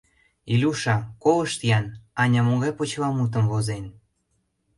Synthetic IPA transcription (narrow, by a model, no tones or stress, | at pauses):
ilʲuʃɑkolə̆ʃt̪ijɑnɑnʲɑmoɣɑjpot͡ɕβɑmut̪̬ə̆mvozen